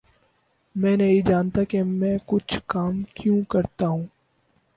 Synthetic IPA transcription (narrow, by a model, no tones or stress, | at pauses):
mɛ̃ːnɐɦĩd͡ʒaːnt̪akemɛ̃ːkʊt͡ʃʰkaːmkjũkɐɾt̪aɦũː